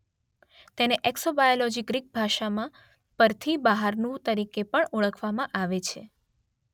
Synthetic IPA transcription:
t̪eneʔɛksobajolɔd͡ʒiɡɾik̚bʱaʃamã | pəɾt̪ʰibaɦaɾnũt̪əɾikepəɳuɭəkʰʋamãʔaʋet͡ʃʰḛ

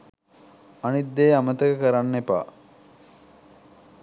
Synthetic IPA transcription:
anid̪ːeːamət̪əkəkəɾanːepa̰ː

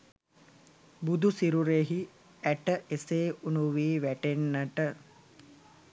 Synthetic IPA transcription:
bud̪usiɾuɾeɦi | æʈəʔeseːunuʋiːʋæʈenːaʈə

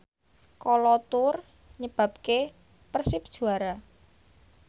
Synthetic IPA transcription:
kɔlɔt̪ʊr | ɲəb̥ä̤p̚ke | pərsɪp̚d̥ʒ̥ṳaɾa

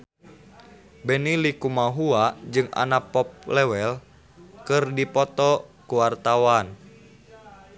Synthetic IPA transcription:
bɛnilikumaɦuad͡ʒɨŋa̰napɔp̚lɛwɛl | kɨrdipɔt̪ɔkuwart̪awan

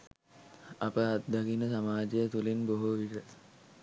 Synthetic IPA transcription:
apəat̪̚d̪akinəsamaːd͡ʒejət̪ulinboɦuʋiʈə

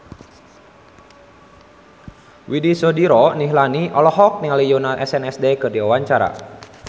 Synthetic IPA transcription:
widisɔdiɾɔniɦlaniʔɔlɔɦɔk̚niŋalijɔnalɛsɛnɛsdekɨrdiawaɲt͡ʃaɾa̰

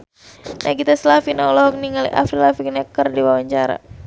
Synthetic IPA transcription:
nʔa̰kit̪aslafinaulɔɦɔk̚niŋalḭʔa̰fɾilafik̚nakərdiwawaɲt͡ʃaɾa̰

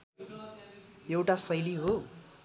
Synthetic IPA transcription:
ewʈasʌjliɦo

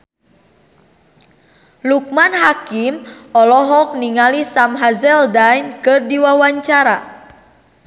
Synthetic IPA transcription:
luk̚manɦakimɔlɔɦɔk̚niŋalisamɦazɛldajnkɨrdiwawaɲt͡ʃaɾa

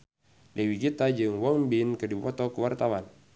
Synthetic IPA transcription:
dɛwiɡit̪ad͡ʒɨŋwɔŋbinkɨdipɔt̪ɔkəwart̪awan

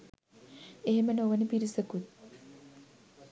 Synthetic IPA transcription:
eɦemənoʋənəpiɾisəkut̪̚

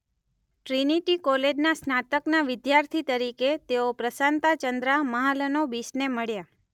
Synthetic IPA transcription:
ʈɾiniʈikɔled͡ʒnasnat̪əknaʋɪd̪jaɾt̪ʰit̪əɾiket̪eopɾəsant̪at͡ʃənd̪ɾaməɦalənobisneməɭja

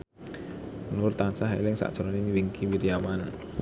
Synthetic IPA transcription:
nʊrt̪ansaɦḛlɪŋsa̰ʔdʒ̥ɔ̤ɾɔninwiŋkiwiɾiawan

